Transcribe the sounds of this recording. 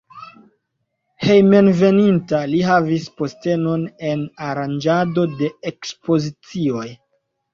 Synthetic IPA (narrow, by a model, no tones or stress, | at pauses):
he̞jme̞nve̞nintaliɦavispo̞ste̞no̞ne̞naɾand͡ʒado̞de̞ekspo̞zit͡sio̞j